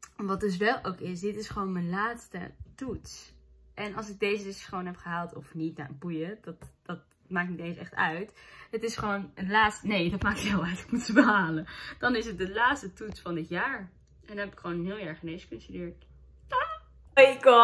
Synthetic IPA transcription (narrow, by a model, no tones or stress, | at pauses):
ʋɑt̚dɵs̬ʋɛlˠowkɪs̬dɪtɪsχʋownmənlaːtstə̰tutsʔɛnɑlˠs̬ɪɡ̚dejzədɪsχəʋoːnɦɛpχəɦaːlˠtɔfnitna̰bujəd̥ɑtd̥ɑt̚ | maːk̚nitẽjnsɛ̰χtœ̰ɥtɦətɪsχəʋownəlaːtstənejdɑt̚maːkɪlˠœtkmutəbəɦaːləd̥ɑnɪsət̚dəlaːtstətutsfɑndɪtjaːɹ | ʔɛndnɦɛpɪ̥kχʋownənɦɪːlˠjɛɹχənejskønstydɪːɹt | jɡɔ